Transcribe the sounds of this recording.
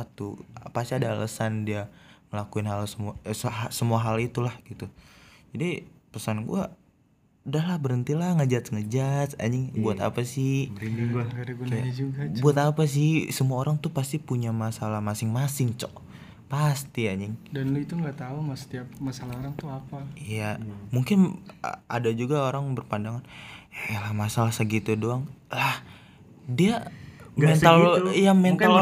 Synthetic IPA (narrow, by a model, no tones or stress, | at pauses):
at̪upast̪iadalʔə̰sandiaməlakuɪnhalsəmuasasəmuaɦalit̪ulahɡit̪ud͡ʒadipəsanɡṵa | udahlahbəɾənt̪ilahŋəd͡ʒat̪ŋəd͡ʒatsa̰ɲɪŋbuat̪a̰pasɪhbəɾindiŋɡakadaɡud͡ʒuɡabuat̪apas̬ɪhsəmuaoɾaŋt̪upast̪ipuɲamasalamasɪŋmasɪŋt͡ʃɔʔ | past̪iaɲɪŋdanluit̪uŋɡat̪auŋɡasə̥t̪iapmasalaoɾaŋt̪uapaijamuŋkɪn̰ʔa̰dad͡ʒuɡaoɾaŋbərpandaŋan | lamasalahsəɡit̪udoaŋlah | diamɛnt̪aljamɛnt̪al